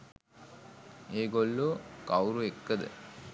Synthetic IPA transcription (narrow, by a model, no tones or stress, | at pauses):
eːɡolːukawɾuekːəd̪ə̰